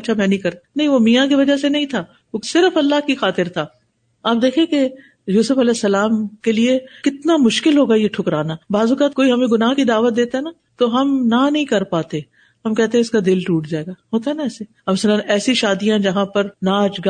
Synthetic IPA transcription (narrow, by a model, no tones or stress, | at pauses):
ɐtːʃʰamɛ̃ːnɐɦĩkɐɾt̪anɐɦĩʋomijãk̬iʋɐd͡ʒasenɐɦĩt̪ʰaː | osɪɾəfɐlːaɦkixaːt̪ɪɾt̪ʰaː | aːp̚d̪eːkʰẽke | juːsʊfɐlɛːsːɐlaːmkeliekɪt̪namʊʃkɪlɦoːɡajeʈʰʊkɾaːnabaːzʊkaːt̪̚koːiɦɐmẽɡʊnaːɦkid̪aːʋət̪̚d̪eːt̪aɦɛna | t̪oɦɐmnanɐɦĩkɐɾpaːt̪e | ɦɐmkɛɦt̪ẽɛ̃ɪskad̪ɪlʈuːʈʰd͡ʒaːeːɡaːɦoːt̪aɦɛnaɛːse | ɐbsələnɛːsiʃaːd̪ijãd͡ʒɐɦãpɐɾnaɐt͡ʃɡa